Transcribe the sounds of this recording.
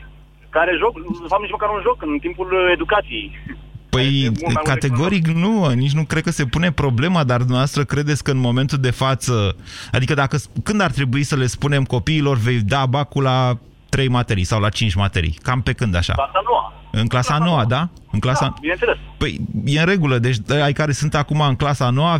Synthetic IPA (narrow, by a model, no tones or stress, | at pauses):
kaɾeʒokfamnit͡ʃməkaɾunʒo̞kɨnt̪impule̞d̪ukat̪sijejpəjkat̪e̞ɡo̞ɾiknuənit͡ʃʲnukɾekəse̞pune̞pɾo̞ble̞mad̪ard̪umneavast̪ɾəkɾe̞d̪et̪sʲkəɨnmo̞me̞nt̪uld̪e̞fat̪səad̪ikəd̪akəkɨnd̪art̪ɾe̞buisəle̞spune̞mko̞piːlo̞rve̞jd̪abakula | t̪ɾe̞jmat̪e̞ɾijsawlat͡ʃint͡ʃʲmat̪e̞ɾḭkampe̞kɨnd̪a̰ʃa̰asanoa̰ | ɨŋklasano̞ad̪a | ɨnklasabinenelespəjjeɨnɾe̞ɡuləd̪et͡ʃʲajkaɾe̞sɨnt̪akumaɨŋklasano̞wa